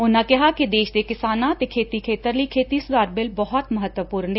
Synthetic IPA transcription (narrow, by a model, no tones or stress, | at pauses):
ʊnãkɛɦakid̪eːʃd̪ekɪsaːnãt̪ekʰeːt̪ikʰeːt̪əɾlikʰeːt̪isʊd̪aːɾbɪlbɐɦɔt̪mɐɦət̪wəpuːɾneː